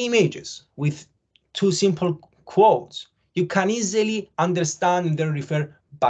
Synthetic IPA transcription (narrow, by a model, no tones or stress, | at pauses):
imed͡ʒɪz̥ | wɪð | t̪ʰusĩmpʰl̩ˠ | kʰwowts | jukʰæ̃niziliãndə˞st̪æ̃nd̪ðənɹifɛɹ | ba